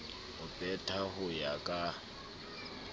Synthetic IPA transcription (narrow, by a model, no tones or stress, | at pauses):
ʊpʼɛtʼʰahʊjakʼa